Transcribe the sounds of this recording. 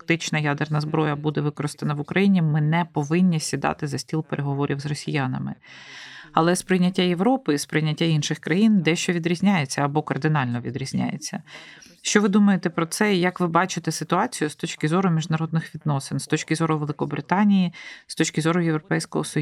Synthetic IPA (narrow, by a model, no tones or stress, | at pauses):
kt̪ɪt͡ʃnɐjad̪ernɐzbɾɔjɐbud̪ɛʋɪkɔɾɪst̪enɐʋʊkɾɐjinʲimɪnɛpɔʋɪnʲːisʲid̪ɑ̰t̪ɪzɐsʲtʲilˠpeɾʔeɦɔʋɔɾʲʔiwzrɔsʲijanɐ̰mɪ̰ | ɐlˠɛspɾɪjnʲɐtʲːajeʋɾɔpɪispɾɪjnʲɐtʲːainʃɪxkɾɐjind̪ɛʃt͡ʃɔʋʲid̪ɾʲizʲnʲajet͡sʲːɐɐbɔkɐrd̪ɪnɑlʲnɔʋʲid̪ɾʲizʲnʲa̰jḛt͡sʲːɐ̰ | ʃt͡ʃɔʋɪd̪umɐjet̪ɛpɾɔt̪sɛjɐkʋɪbɑt͡ʃɪt̪ɛsɪt̪ʊɑt͡sʲijʊst̪ɔt͡ʃkɪzɔɾʊmʲiʒnɐɾɔd̪̚nɪxʋʲid̪nɔsɪnst̪ɔt͡ʃʲkɪzɔɾʊʋelˠɪkɔbɾɪt̪ɑnʲijist̪ɔt͡ʃʲkɪzɔɾʊjeʋɾɔpɛjsʲkɔɦɔsɔj